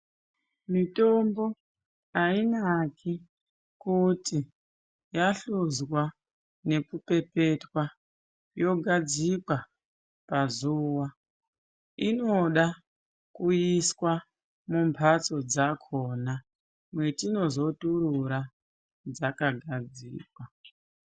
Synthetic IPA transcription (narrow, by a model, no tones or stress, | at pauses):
mito̞mbo̞ | ainakʰi | kuti | jaɬuzwa | ne̞kupe̞pe̞twa | jo̞ɡʱad͡zikwa | pazuwa | ino̞ɗa | kuiswa | mumpʰat͡so̞d͡zakʰo̞ːna | mwe̞tino̞zo̞tuɾuɾa | d͡zakaɡʱad͡zḭːkwa